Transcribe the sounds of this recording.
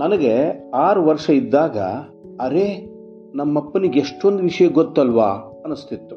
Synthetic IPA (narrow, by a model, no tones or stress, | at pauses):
nɐnɐɡeaːɾuʋɐɾʂɐid̪ːaːɡɐ̰ | ɐɾe̞ | nɐmːɐpːɐniɡeʂʈo̞nd̪uʋiʂɐjɐɡot̪ːɐlʋaː | ɐnust̪ʰit̪ːu